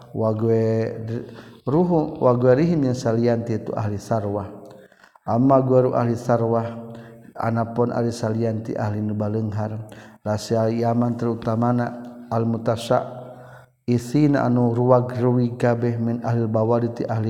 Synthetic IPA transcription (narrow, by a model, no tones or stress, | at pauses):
waɡuɛ | ɾuɦuwʔaɡuweɾiɦinjəŋsaliant̪it̪uʔa̰ɦlisarwah | ʔamaɡuwɛɾuʔa̰ɦlisarwah | a̰napɔnʔa̰lisaliant̪ḭʔa̰ɦlinubaləŋɦarlasialjamant̪əɾut̪amanaːlmut̪asa̰ʔ | isina̰ʔa̰nuɾuwaɡruwiɡabɛhminaɦlilbawadit̪iʔaɦli